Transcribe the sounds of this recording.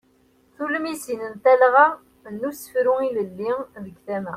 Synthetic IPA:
θuləmisinənt̪ælʁa | nːusə̥fɾuiləlːiðəɡθæmæ̰

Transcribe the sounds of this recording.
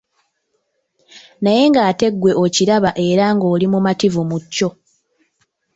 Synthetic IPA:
naje̞ŋɡaːte̞ɡwe̞o̞ciɾaβaʔe̞ɾaŋɡo̞ːlimumativumucːo̞

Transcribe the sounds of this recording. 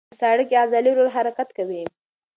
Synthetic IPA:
əsaɽəkeazɑliɾoɾɦaɾakat̪kawi

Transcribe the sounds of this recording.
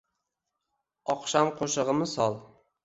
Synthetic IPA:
ɒqʃamqʰoʃɨʁɨmɪsɒlˠ

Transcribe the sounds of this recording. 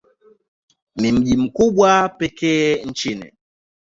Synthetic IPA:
mim̩ʄim̩kuɓwapɛkɛːn̩t͡ʃinḭ

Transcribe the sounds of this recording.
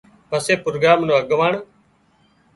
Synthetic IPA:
pəseːpɾoːɡaːmnõːəɠʋaːɳ

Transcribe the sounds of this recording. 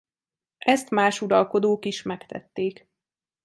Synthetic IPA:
ʔɛst̪maːʃuɾɒlko̞d̪oːkiʃmɛkt̪ɛ̰t̪ːeːk

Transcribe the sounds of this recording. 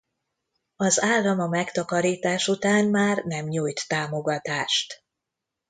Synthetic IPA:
ɒzaːlːɒmɒmɛkt̪ɒkɒɾiːt̪aːʃut̪aːnmaːrnɛmɲuːjt̪ːaːmo̞ɡɒt̪aːʃt̪

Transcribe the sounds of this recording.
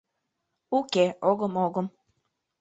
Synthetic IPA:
ukeoɣə̆moɣɤ̆m

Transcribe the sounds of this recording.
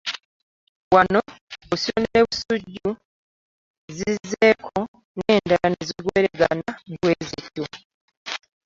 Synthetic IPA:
wanoosionineβusuɟːu | zizːeːkʰo | neːndaneziɡweːɾeɡanamukweːzicːu

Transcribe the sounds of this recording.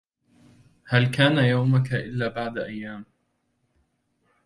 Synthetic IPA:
halkaːnajawmakaʔɪlːaːbaʕd̪aʔajːaːm

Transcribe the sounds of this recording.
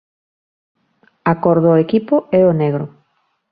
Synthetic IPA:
akoɾðoekipʊɛoneɣɾo

